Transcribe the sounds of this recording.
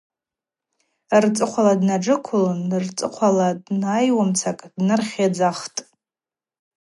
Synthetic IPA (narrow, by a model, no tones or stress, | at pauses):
rt͡sʼɨqʷʰaladnaʈ͡ʂɨkʷʰʊlnrt͡sʼɨqʷʰaladnajwamt͡sʰakʼdnɨrχʲad͡zaχtʼ